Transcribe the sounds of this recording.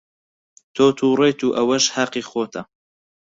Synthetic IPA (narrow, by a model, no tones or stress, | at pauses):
t̪ʰoːt̪ʰuːrˤeːt̪ʰuːʔɐwɐʃhɐqiːxoːt̪ʰɐ